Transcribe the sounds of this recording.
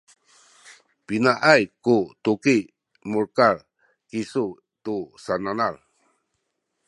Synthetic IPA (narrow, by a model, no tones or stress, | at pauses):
pinaʔajkut̪uki | muɾkaɾ | kisu | t̪usananal